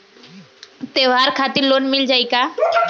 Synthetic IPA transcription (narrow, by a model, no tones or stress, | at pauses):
t̪eːʋaːɾkʰaːt̪ɪɾloːnmɪld͡ʒaːikaː